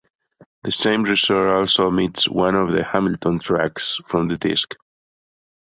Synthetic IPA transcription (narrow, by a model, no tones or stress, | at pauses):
ðɨsẽɪ̃mɹɨsəɔlsomitswʌ̃nɔvðəhæmɪl̩tʰɔ̃ntʰɹ̥æksfɹɔ̃mðɨdɪ̰sk